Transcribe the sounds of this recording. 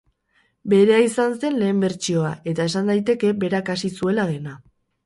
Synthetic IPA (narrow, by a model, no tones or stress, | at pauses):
be̞ɾe̞aisanse̞nle̞ːmbe̞ɾt͡ʃio̞ae̞t̪ae̞sand̪ajt̪e̞ke̞be̞ɾakasisue̞laðe̞na